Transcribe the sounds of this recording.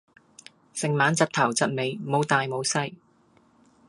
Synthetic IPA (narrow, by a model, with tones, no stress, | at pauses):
sɪ˨ŋmaː˨˥nt͡sɐ˨t̚t̪ʰɐ˨˩wt͡sɐ˨t̚me˨˧jmo˨˧wt̪aː˨jmo˨˧wsɐ˧j